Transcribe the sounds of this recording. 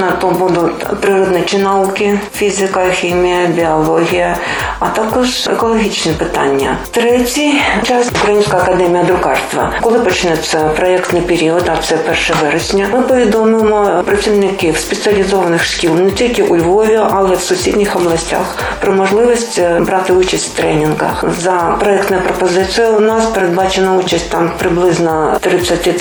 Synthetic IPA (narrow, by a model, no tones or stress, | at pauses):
nɐt̪ɔbud̪ʊtʲ | pɾɨɾɔd̪nɛt͡ʃɪnɐukɪfʲizɪkɐxʲimʲijɐbʲiɔlˠɔɦʲijɐ | ɐt̪akɔʂɛ̰kɔlˠɔɦʲit͡ʃnɛpɪt̪a̰nʲːɐ̰t̪ɾɛtʲijt͡ʃasukɾɐjinʲsʲkɐɐkɐd̪ɛmʲijɐd̪ɾʊkɑrst̪ʋɐ̰kɔlˠɪpɔt͡ʃɪnɛt̪sːɐpɾɔɛkt̪nɪpeɾʲiɔt̪ɐt̪sɛpɛrʂɛʋɛɾɛsʲnʲɐmɨpɔʋʲid̪ɔmɪmɔpɾɐt͡sʲiwnɪkɪwspet̪sɨɐlʲizɔʋɐnɪxskʲilˠnɛtʲilʲkɪʔʊlʲʋɔʋʲiʔɐlˠɛwsʊsʲḭdʲnʲixɔblˠɐsʲtʲa̰x | pɾɔmɔʒlˠɪʋɔsʲtʲbɾɑt̪ɪut͡ʃɐsʲtʲw̥t̪ɾɛnʲɪnɡɐ̰zɐpɾɔɛkt̪nɐjɐpɾɔpɔzɪt̪sɨjɐʊnɑspeɾed̪̚bɑt͡ʃenɐut͡ʃɐsʲt̚ʲt̪ɑmpɾɪblˠɪznɔt̪ɾɪt͡s̪ʲːɐtʲi